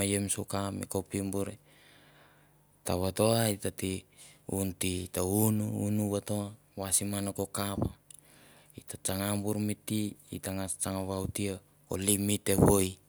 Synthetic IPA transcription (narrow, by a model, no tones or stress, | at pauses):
ajemsukamḭkopimbuɾe | taβatoaitatiuntitaunuunuβatoa | wasimanakokapa | itat͡ʃaŋambuɾmitiḭtaŋat͡ʃaŋaβawtia | ko̰limiteβoj